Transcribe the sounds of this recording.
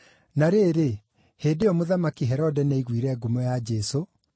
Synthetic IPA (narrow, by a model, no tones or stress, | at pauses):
naɾeːɾe | heːdeɔmoðamakiɦɛɾɔdɛnaiɣwiɾɛɡumojad͡ʒɛso